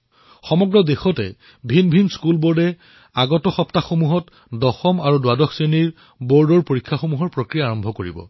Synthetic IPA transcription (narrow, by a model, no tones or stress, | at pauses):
xɔmɔɡɹɔdexɔtɛ̰ | bʱinbʱinskulboɹdɛ | aɡɔtɔxɔptaxomuɦɔt | dɔxɔmaɹudadɔxʰseniɹ | bɔɹdɔɹpoɹikʰːaxomuɦɔɹpɹokɹijaːɹɔmbʱɔkoɹḭbɔ̰